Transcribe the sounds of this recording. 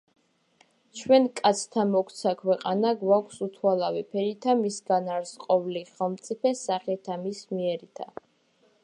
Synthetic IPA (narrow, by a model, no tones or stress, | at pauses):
t͡ʃʰwɛnkʼat̪sʰt̪ʰamɔkʰt̪sʰakʰwɛqʼanaɡwakʷʰsut̪ʰwalˠavipʰɛɾit̪ʰamisɡanaɾsqʼɔvliχɛlˠmt̪sʼipʰɛsaχɛt̪ʰamismiɛɾit̪ʰa